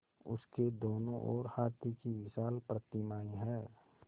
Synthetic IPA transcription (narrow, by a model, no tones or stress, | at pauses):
ʊ̰sked̪oːnõʔɔ̰ːɾhaːt̪ikiwɪʃaːlpɾət̪ɪmaːiɦɛː